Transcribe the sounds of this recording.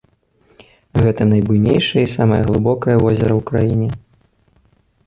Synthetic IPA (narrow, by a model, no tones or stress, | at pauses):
ɣɛt̪ɐnɐjbujnʲejʂɐjɛisamɐjɐɣlˠɨbɔkɐjɐvɔzʲɛɾɐwkɾajinʲɛ